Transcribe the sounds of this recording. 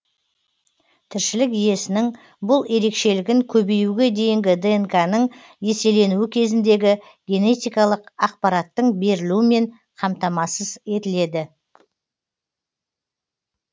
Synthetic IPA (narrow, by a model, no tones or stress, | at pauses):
t̪ʰɪɾʃɪlɪkije̞sɪnɪŋ | bʊlˠe̞ɾe̞kʃe̞lɪɡʲɪŋkʲʰɵbejuɡʲe̞d̪e̞jɪŋɡʲɪd̪enkanəɴ | je̞se̞le̞nuwɪkʲʰe̞zɪnd̪e̞ɡʲɪ | ɡʲe̞ne̞t̪ijkɑlˠəqɑq̚pɑɾɑt̪ːəɴbe̞ɾɪluwɪme̞ɴ | qʰɑmt̪ɑmɑsəze̞t̪ɪle̞d̪ɪ